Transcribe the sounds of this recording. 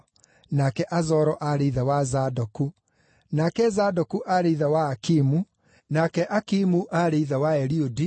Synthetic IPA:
nakɛʔazɔɾɔʔaɾeiðawazadoku | nakɛzadokuʔaɾeiðawaːkimu | nakɛʔakimuʔaɾeiðawaɛɾiodi

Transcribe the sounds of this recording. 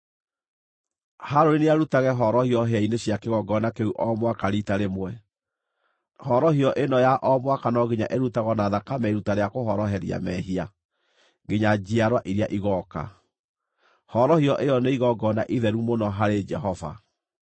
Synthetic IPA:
haɾoɾineaɾutaɣɛɦɔɾɔhiɔɦeaineɕjakeɣɔɡɔnakeuʔɔmwakaɾitaɾemwɛ | hɔɾɔhiɔʔenɔjaʔɔmwakanɔɣeɲaʔeɾutaɣɔnaðakamɛiɾutaɾeakoɦɔɾɔɦɛɾija̰mɛɦia | ɡeɲad͡ʑiaɾwaʔiɾiaʔiɣɔka̰ | hɔɾɔhiɔʔejɔneiɣɔɡɔna̰ʔiðɛɾumonɔɦaɾed͡ʒɛɦɔva̰

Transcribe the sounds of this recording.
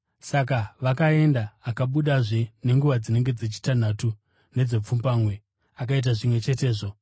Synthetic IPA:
sak̬aʋakae̞ndaːkaɓuɗaʐe̞ne̞ŋɡuʋad͡zine̞ŋɡe̞d͡zet͡ʃi̥tan̤atu | ne̞d͡ze̞p͡fumbaːmwe̞ | ak̬ait̬aʐimwe̞t͡ʃe̞te̞ːʐo̞

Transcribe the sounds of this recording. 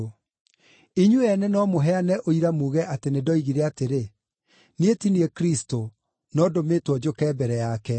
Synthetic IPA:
iɲuɛnɛnɔmoɦɛanɛʔoiɾamuːɣɛʔatenedɔiɣiɾɛateɾe | nietiniɛkɾisto | nɔdomeːtwɔd͡ʑokɛːbɛɾɛjakɛ

